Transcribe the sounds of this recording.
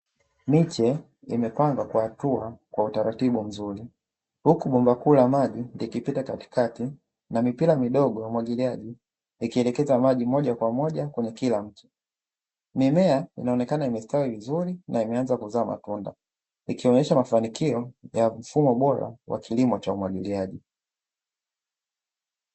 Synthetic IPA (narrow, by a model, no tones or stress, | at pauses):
mit͡ʃɛ | imɛpaŋɡwakwuatuakwautaɾatiɓum̩zuɾi | hukuɓumbakuːlamaʄindikipitakati̥kati | namipilamiɗɔɠɔjaumwaɡiliaʄi | ikiɛlɛkɛzamaʄimɔʄakwamɔʄakwɛɲɛkilam̩tu̥ | mimɛainaɔnɛkanaimɛstawivizuɾinʔaimɛanzakuzaːma̰tunda̰ | ikiɔɲɛʃamafanikiɔjam̩fumɔɓɔɾa̰wʔa̰kilimɔt͡ʃaumwaɠiliaʄi